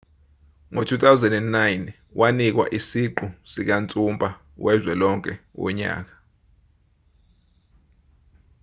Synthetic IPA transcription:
ŋotʰut̪ʰʼawzɛndɛndnajn | wʔanik̬wa̰ʔisiǃusik̬ant͡sʼumpʼa | wɛzwɛlɔŋkʼɛwɔ̰ɲa̰ːk̬ḁ

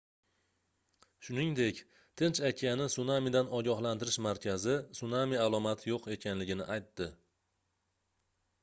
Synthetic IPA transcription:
ʃʊnɪŋd̪e̞kʲ | t̪ʰɪnt͡ʃakʲʰanɪsʊnamid̪anɒɡʲɒɦlant̪ɪɾɪʃmaɾkʲʰazɪsʊnamialˠɒmat̪ʰɪjoqe̞kʲʰanlɪɡʲɪnɪ̰ʔajt̪ːɪ

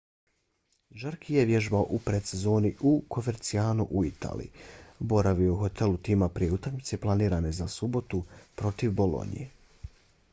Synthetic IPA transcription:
ʒaɾkʰijeʋjeʒbaoʔupɾet̪sezo̞ːniʔukʰo̞me̞ɾt̪siaːnṵʔuit̪ʰa̰ːlḭibo̞ɾaʋiouxo̞t̪ʰe̞lut̪iːmapɾije̞ut̪akmit̪se̞plˠaniːɾane̞zasubo̞t̪upɾo̞t̪iʋbo̞lo̞̰nḭje̞

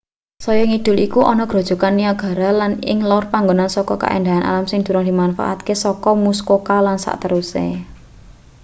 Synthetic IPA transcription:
sɔjɔŋid̪̥ʊ̤likuʔɔnɔɡ̥ɾo̤d̥ʒ̥ɔ̤kanːiaɡ̥a̤ɾalanɪ̰ŋlɔʊrpaŋɡonansɔkɔka̰ʔḛnd̪aanʔa̰lamsɪŋd̪̥ṳɾɔŋd̪̥i̤manfa̰ʔa̰t̪̚kesɔkɔmuskokalansa̰ʔt̪əɾusḛ

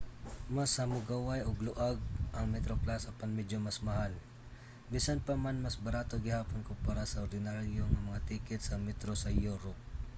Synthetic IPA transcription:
mashɐmʊɡawajoɡlʊʔaɡ̚ʔɐŋmɛt̪ɾoplasɐpanmɛd͡ʒomasmɐhal | bisanpamanmasbɐɾaːt̪oɡɪhaːponkʊŋpaːɾasɐoɾd̪ɪnaɾjoŋɐmɐŋat̪iːkɛt̪̚sɐmɛt̪ɾosajoɾo

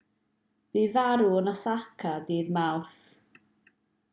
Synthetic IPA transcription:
b̥iːvaɾunasakʰadiːðmawθ

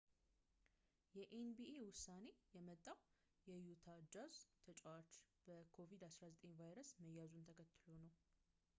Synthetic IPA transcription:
jɛʔenbiewʊsːane̞jɛmət̪ʼːaw | jɛjut̪ʰad͡ʒazt̪ʰət͡ʃʼɛwat͡ʃː | b̥əkʰo̞vid̪asɾazət̪ʼeɲvajɾəsməjːazunt̪ʰəkʰət̪ːɨlonəw

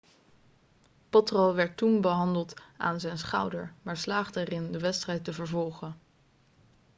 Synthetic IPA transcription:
pɔtrowʋɛɹtːunbəɦɑndəlˠta̰ːnzɛjnsχʌ̰wdə̰ɹmaːɹslaːχdəɛrɪndəʋɛtstrɛjtəvəɹvɔlˠχən

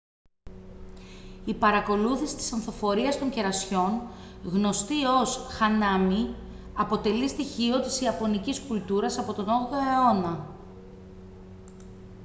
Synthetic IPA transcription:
ipɐɾɐko̞luθisi̥t̪i̥sɐnθofo̞ɾiɐst̪o̞ɲce̞ɾɐsço̞nɣno̞st̪io̞sxɐnɐmi | ɐpo̞t̪e̞list̪içio̞t̪isiɐpo̞niciskult̪uɾɐsɐpo̞t̪o̞no̞ɣðoeo̞nɐ

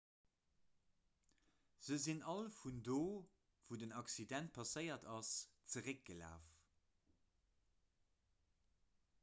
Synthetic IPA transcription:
z̥əzinɑlfundoː | v̥udənɑksidænt̚pʰɑsəɪɐtɑst͡səʁək̚ɡ̥əla̰ːf

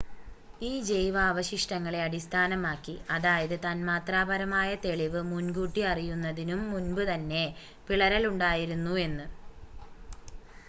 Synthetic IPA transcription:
iːd͡ʑe̞jʋɐːʋɐɕiʂʈɐŋːɐɭe̞ɐɽist̪ʰaːnɐmaːkːiɐðaːjɐðɨt̪ɐnmaːt̪raːbɐɾɐmaːjɐt̪e̞ɭiʋɨmunɡuːʈːiɐrijunːɐðinumːunbɨt̪ɐnːe̞ | piɭɐɾɐluɳɖaːjiɾunːue̞nːɨ

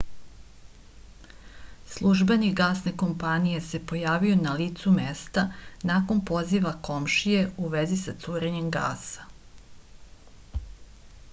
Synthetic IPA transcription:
slˠuʒbeniɡaːsneko̞mpanije̞se̞po̞jaːʋio̞nalit̪sumest̪anako̞npo̞ziʋako̞mʃije̞uʋe̞zisat̪suːɾeɲe̞mɡa̰ːsḁ

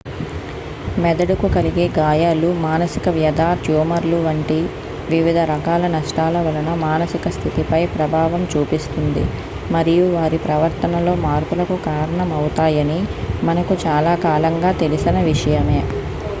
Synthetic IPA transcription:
mɛd̪ɐɽukukɐliɡe̞ːɡaːjaːlumaːnɐsikɐʋjɐd̪ʱaːd͡ʒjuːmɐɾluʋɐɳʈi | ʋiʋid̪ʱɐɾɐkaːlɐnɐʂʈaːlɐʋɐlɐnɐmaːnɐsikɐst̪ʰit̪ipɐjpɾɐbʱaːʋɐmt͡ʃuːpist̪und̪ḭ | mɐɾijuʋaːɾipɾɐʋɐɾt̪ɐnɐlo̞ːmaːɾkulɐkukaːɾɐɳɐmɐwut̪aːjɐnimɐnɐkut͡ʃaːlaːkaːlɐŋɡaːt̪e̞lisinɐʋiʂɐjɐme̞ː

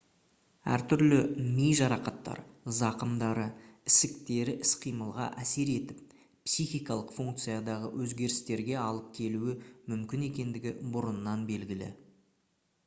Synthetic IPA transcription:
æ̰ɾt̪ʰʏɾlɪmejʒɑɾɑqɑt̪ːɑ̰ɾzɑqəmd̪ɑɾəɪsɪkt̪e̞ɾɪʔɪsqʰijməlˠʁɑ̰ʔæse̞ɾe̞t̪ɪp̚ː | sijxʲijkɑlˠəqfuŋk̚t̪sɨjɑd̪ɑʁə̰wʔɵzɡʲe̞ɾɪst̪e̞ɾɡʲe̞ɑlˠəp̚kʲʰe̞luɪmʏmkʲɪne̞kʲe̞nd̪ɪɡʲɪ̰bʊɾʊnːɑnbe̞lɡʲɪlɪ̰

